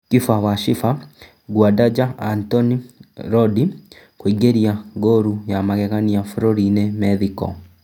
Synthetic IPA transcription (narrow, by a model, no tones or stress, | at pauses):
kifawaʃifa | ɡwadad͡ʒaantɔniɾɔdi | kwoiɡeɾiaŋɡoɾujamaɣɛɣaniafuɾoɾinemɛðikɔ̰